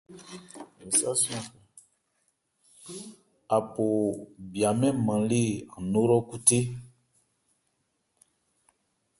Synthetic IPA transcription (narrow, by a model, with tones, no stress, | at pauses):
e˨sa˦si˦ɔ̃˦kɛ˨ | a˨po˨bi˨a˨mɛ̃˦mã˨le˦˨ã˨nõ˦ɾɔ˦ku˦te˦